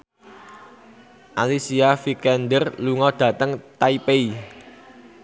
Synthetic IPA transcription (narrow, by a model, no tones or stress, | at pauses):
ʔalisiafikɛnd̪ərluŋɔd̪̥ä̤t̪əŋt̪aipei